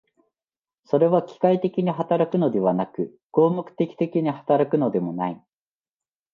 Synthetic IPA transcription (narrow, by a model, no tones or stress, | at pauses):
so̞ɾe̞βakʲi̥kait̪e̞kʲiɲ̟iɦat̪aɾakɯ̟no̞d̪e̞β̞anakɯ̟ | ɡ̥o̞ːmokɯ̟̥t̪e̞kʲi̥t̪e̞kʲiɲ̟ihat̪aɾakɯ̟no̞d̪e̞mo̞nai